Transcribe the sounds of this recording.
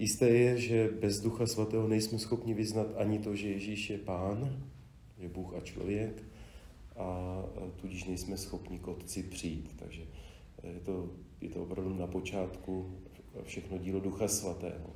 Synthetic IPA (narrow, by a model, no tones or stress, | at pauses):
jɪst̪ɛːjɛʒɛbɛzduxasvat̪ɛːɦo̞nɛjsmɛsxo̞pɲɪvɪznat̪ʔaɲɪt̪o̞ʒɛjɛʒiːʃjɛpaːn | ʒɛbuːxat͡ʃlo̞̰vjɛk | ʔat̪uɟɪʃnɛjsmɛsxo̞pɲɪkʔo̞t̪t͡sɪpr̝̥ɪjiːt̪t̪a̰ɡʒɛ | jɛt̪o̞jɛ̰t̪oʔopɾavdunapo̞t͡ʃaːt̪ku | fʃɛxno̞ɟiːloduxasvat̪ɛ̰ːɦo̰